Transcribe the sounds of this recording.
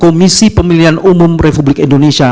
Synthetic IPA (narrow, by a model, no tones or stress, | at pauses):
komisipəmiliɦanumʊmrepublɪkindonesia